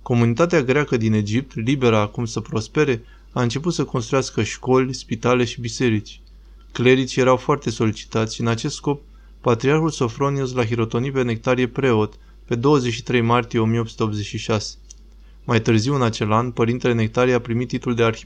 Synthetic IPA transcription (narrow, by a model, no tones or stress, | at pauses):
ko̞munit̪at̪eaɡɾeakəd̪ine̞d͡ʒip̚t̪libe̞ɾaːkumsəpɾo̞spe̞ɾe̞ | aɨnt͡ʃe̞put̪səkonst̪ɾujaskəʃko̞lʲspit̪ale̞ʃibise̞ɾit͡ʃʲ | kle̞ɾit͡ʃje̞ɾawfoart̪e̞so̞lit͡ʃi̥t̪at̪sʲʃiɨnat͡ʃest̪sko̞p̚ː | at̪ɾiarxulso̞fɾo̞nius̬laxiɾo̞t̪o̞nipe̞nek̚t̪aɾie̞pɾe̞o̞t̪ | pe̞d̪o̞wəzeʃi̥t̪ɾe̞jmart̪ije̞o̞mijeo̞psu̥t̪eo̞pze̞t͡ʃʲʃiʃase̥ | majt̪ɨrziwɨnat͡ʃe̞lanpəɾint̪e̞le̞ne̞k̚t̪aɾieapɾimit̪ːit̪uld̪e̞arxi